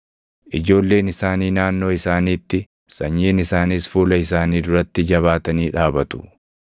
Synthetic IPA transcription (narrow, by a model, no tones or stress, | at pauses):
ʔɪd͡ʒo̞ːlːe̞ːnɪsaːniːnaːnːo̞ːɪsaːniːt̪ːɪ | sɐɲːeːnɪsaːnisfuːlɐɪsaːniːd̪ʊɾɐt̪ːɪd͡ʒɐβaːt̪ɐniːᶑaːbɐt̪ʊ̥